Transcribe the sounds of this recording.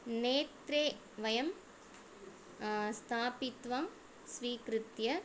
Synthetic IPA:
neːt̪ɾeː | ʋɐjɐm | st̪ʰaːpɪt̪ʋaːm | sʋiːkɾɯt̪jɐ

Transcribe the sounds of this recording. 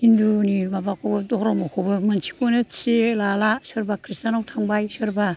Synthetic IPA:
indunibabakʰobɐdɔhɾɔmakʰobɐmɐnsʰi̥konɐselalasɯɾbakʰɾistanawtʰaŋbajsɯɾba

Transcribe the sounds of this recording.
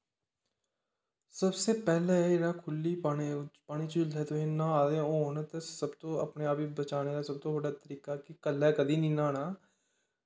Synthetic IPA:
səbseːpɛːleːeːɾaːkʰʊlːiːpaːɽ̃iːt͡ʃɪld̪ɛːt̪oɦẽːnãːaːd̪ẽoːnt̪eːsəbt̪õːəpneːaːpiːbət͡ʃaːneːɡaːsəb̚t̪õːʋəɖaːt̪əɾiːkaːkɪkəlːɛːkəd̪iːnĩːnaːɽaː

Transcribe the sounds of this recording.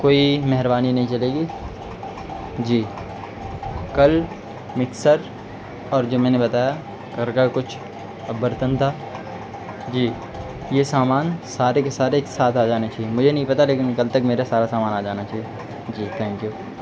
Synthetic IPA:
koːimɛɦəɾbaːninɐɦĩt͡ʃɐleːɡi | d͡ʒiː | kɐl | mɪksəɾ | ɔːɾd͡ʒoːmɛ̃ːnebɐt̪aːja | kɐɾkakʊt͡ʃʰ | bəɾt̪ə̃nt̪ʰaː | d͡ʒiː | jesaːmaːnsaːɾekesaːɾekesaːt̪ʰaːd͡ʒaːnet͡ʃaːɦiemʊd͡ʒʱenɐɦĩpɐt̪aleːkɪnkɐlt̪ɐkmeːɾasaːɾasaːmaːnaːd͡ʒaːnat͡ʃaːɦije | d͡ʒiːt̪ʰɛ̃ːŋkjuː

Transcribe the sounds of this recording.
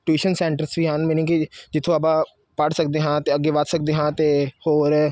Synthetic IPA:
ʈuiːʃənsɛːɳʈəɾsʋiːɦãːnmenĩːkid͡ʒɪt̪ʰːõːəp̬ãː | pəɽsək̚d̪eːɦãːt̪eːəɡːeːʋət̪sək̚d̪eːɦãːt̪eːhoːɾ

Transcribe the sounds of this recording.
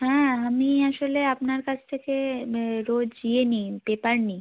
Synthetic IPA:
ɦɛ̃ːamiaʃoleapnaɾkat͡ɕʰt̪ʰekeɾod͡ʑd͡ʑienibepaɾni

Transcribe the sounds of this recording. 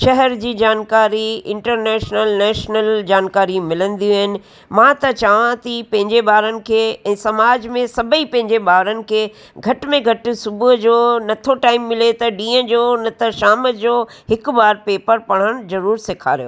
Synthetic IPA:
ʃɐɦɛɾd͡ʑiːd͡ʑaːnkaːɾiɪ̃ɳʈəɾnɛːʃnəlnɛːʃnəld͡ʑaːnkaːɾimɪlə̃nd̪iːɦɪnɪ̆ | mãt̪ɐt͡ɕaʋãt̪ipɐ̃ɦɪ̃ɲd͡ʑebaːɾənɪ̆kʰeːɛ̃ːsɐmaːd͡ʑmẽsɐbʱəipɐ̃ɦɪ̃ɲd͡ʑebaːʋɾənɪ̆kʰeː | ɡʱɐʈmẽɡʱɐʈɪsʊbʊɦd͡ʑoːnɐt̪ʰoʈaːɪmːɪlet̪ɐɗĩːə̃d͡ʑoːnɐt̪ʰɐʃaːməd͡ʑoːɦɪkbaːɾpeːpəɾpɐɽ̤̃əɽ̃zɐɾuːɾsɪkʰa̰ːɾijo̰ː

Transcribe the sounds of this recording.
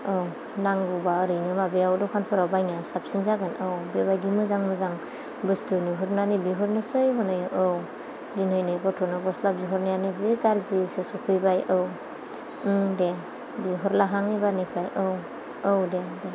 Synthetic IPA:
ɯw | naŋɡubaɯɾɯjnɯmabeawdɔkʰanpʰɯɾawbajnasap̚sinzaɡɯnɯwbeβajdimɯzaŋmɯzaŋ | bɯstɯnɯɦɯɾnanibiɦɯɾnɯsɯjɦɔnajɯʔɯw | dinhɯjnɯbɔtʰɔnɯbɔslabziɦɔɾnɯjaniziɡaɾzisɯsɔpʰɯjbajʔɯw | de | biɦɔɾlaɦaŋibaɾnipʰɾajʔɯw | ɯwdede

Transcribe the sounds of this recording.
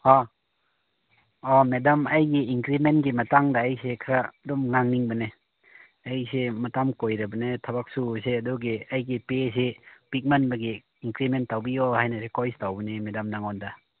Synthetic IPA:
hɔ | ɔmedɐmɐjɡiiŋkɾimentɡimɐtaŋdaːjsekʰaɾadɔmŋaŋniŋbɐne | ajsemɐtamkojɾɐbɐnetʰɐbak̚suseɐdɔɡiajɡipes̬epik̚manbɐɡi | iŋkɾimentːawbijohajnasekojstawbɐnemedɐmnaŋɔnda

